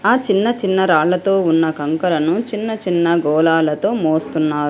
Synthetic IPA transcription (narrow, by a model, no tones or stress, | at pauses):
aːt͡ʃinːɐt͡ʃinːɐɾaːɭːɐt̪o̞ːunːɐkɐŋkɐlɐnut͡ʃinːɐt͡ʃinːɐɡɔːlaːlɐt̪o̞ːmoːst̪unːaːɾu